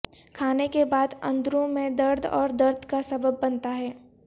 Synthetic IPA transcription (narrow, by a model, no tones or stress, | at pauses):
kʰaːnekebaːd̪ɐ̰̃nd̪ɾõmẽd̪ɐɾd̪ɔ̰ːɾd̪ɐɾd̪ʱkasɐbəbːɐnt̪aɦɛː